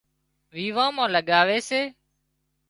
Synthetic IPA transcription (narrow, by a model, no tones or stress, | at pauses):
ʋiːʋãːmãːləɠaːʋeːseː